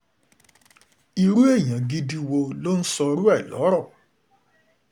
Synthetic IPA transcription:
i˧ɾu˦e˦˨ɲã˨ɡi˦di˧wo˧lo˦n̩˦sɔ˧ɾu˦ɛ˦˨lɔ̰˨˦ɾɔ˦˨

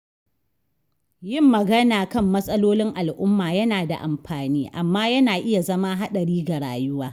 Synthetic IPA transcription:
jɪ˦˨mːɐ˨ɡɐ˦naː˨kɐ˦˨mːɐ˦sʼɐ˦loː˦lɪ˦ŋʔa˨lʔʊ˦mːaː˨jɐ˦naː˨da̰˨ʔa˨mɸaː˨niː˦ʔa˨mːaː˦jɐ˦naː˨ʔɪ˦ja˨zɐ˦ma˦ɦa˦ɗɐ˨ɽiː˦ɡa˨ɽa̰ː˨jʊ˦waː˦

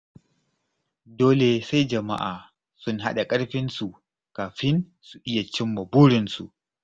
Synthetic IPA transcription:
doː˦le˨sa˦jd͡ʒɐ˨ma̰˦ʔaː˨ | sʊ˦nɦa̰˦ɗa˨kʼɐ˦ɽɸɪ˦nsu˨ | kaː˨ɸɪ˦n | su˨ʔɪ˦ja˨t͡ʃɪ˦mːɐ˨buː˦ɽɪ˨nsṵ˨ʔ

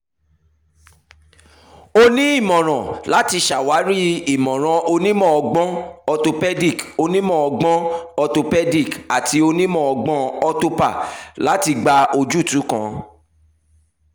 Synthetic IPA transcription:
o˦nĩ˦i˦˨mɔ̃˨ɾ̃ã˨la˦ti˧ʃa˨wa˨˦ɾi˦i˨mɔ̃˨ɾ̃ã˧o˧nĩ˦mɔ̃˦˨ɔ˧ɡ͡bɔ̃˦ɔ˧to˧pɛ˦di˦˨ko˧nĩ˦mɔ̃˦˨ɔ˧ɡ͡bɔ̃˦ɔ˧to˧pɛ˦di˦˨ka˨ti˧o˧nĩ˦mɔ̃˦˨ɔ˧ɡ͡bɔ̃˧ɔ˧to˧pa˦˨la˨˦ti˧ɡ͡ba˧o˧d͡ʒu˦˨tũ˨˦kã̰˦

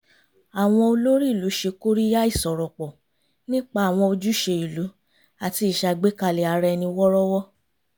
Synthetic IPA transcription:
a˨w̃ɔ̃˧o˧lo˦ɾi˦i˦˨lu˨˦ʃe˧ko˦ɾi˦ja˦i˦˨sɔ˨ɾɔ˨k͡pɔ˨ | nĩ˦k͡pa˧a˨w̃ɔ̃˧o˧d͡ʒu˦ʃe˧i˨lu˨˦ | a˨ti˧i˨ʃa˧ɡ͡be˦ka˧˨le˨a˨˧ɾɛ˧nĩ˧wɔ˦ɾɔ˦wɔ˦

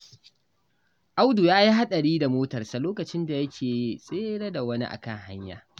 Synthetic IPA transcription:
ʔa˦wdu˨jaː˦ji˦ɦa˦ɗɐ˨ɽiː˦da˨moː˦tɐ˨rsa˨loː˦kɐ˨t͡ʃɪ˦nda˨jɐ˦kʲʰeː˨sʼeː˦ɽɐ˦da˨wɐ˦nḭ˦ʔa̰˨kɐ˦˨ŋha˦ɲja̰ː˨

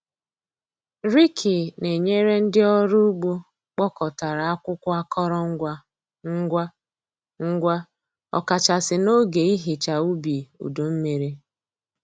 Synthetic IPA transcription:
ɾi˦kʰi˨ne˨ɲe˦ɾe˦n̩˦dɪ˦ɔ˦ɾu˦u˦ɡ͡bo˦ | k͡pɔ˦kɔ˨ta˨ɾa˨a˦kʷʊ˦kʷʊ˦a˦kʰɔ˦ɾɔ˦ŋ̩˦ɡʷa˦ | ŋ̩˦ɡʷa˦ | ŋ̩˦ɡʷa˦ | ɔ̰˨ka˨t͡ʃa˨sɪ˨no˦ɡe˨i˦ɦi˨t͡ʃa˨u˦bi˨ṵ˨do˨m̩˦me˨ɾe˦

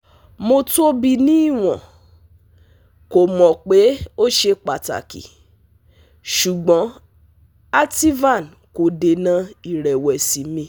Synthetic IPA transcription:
mo˧to˦bi˧nĩ˦i˦˨w̃ɔ̃˨ | ko˨mɔ̃˨k͡pe˨˦o˦ʃe˧k͡pa˨ta̰˨kḭ˨ | ʃu˨ɡ͡bɔ̃˨˦ | a˦ti˦va˦˨n | ko˨de˨nã˧i˨ɾɛ˨wɛ˨si˨˦mĩ˧

